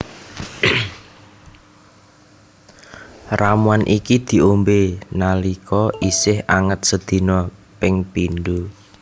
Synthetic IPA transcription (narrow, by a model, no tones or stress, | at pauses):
ramuanʔikid̪̥i̤ombenalikɔisɪhaŋət̪̚səd̪̥i̤nɔpɪŋpinɖu